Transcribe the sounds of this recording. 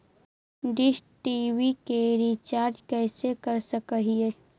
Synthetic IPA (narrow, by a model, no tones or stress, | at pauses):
ɖɪʃʈiːʋikeɾit͡ʃaːɾd͡ʒkɛːsekəɾsəkəɦieː